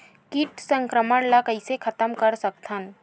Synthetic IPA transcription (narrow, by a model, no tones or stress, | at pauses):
kiʈsə̃ŋkɾəməɽlakəɪsekʰɐt̪əmkəɾsək̚t̪ʰən